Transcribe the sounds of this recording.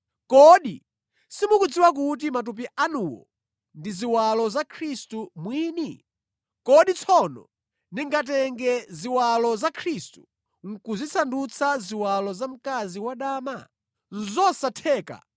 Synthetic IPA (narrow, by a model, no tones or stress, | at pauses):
kɔɗi | simukud͡ziwak̬ut̬imat̬up̬iʔanuwɔ̰ | ndiziwalɔzakʰɾistumwiːni | kɔɗit͡sʰɔnɔ̰ | niŋɡat̬ɛŋɡɛziwalɔzakʰɾistu̥ | ŋ̩kuzit͡sʰandut͡sʰaziwalɔzam̩kaziwaɗaːma | n̩zɔsatʰɛːka̰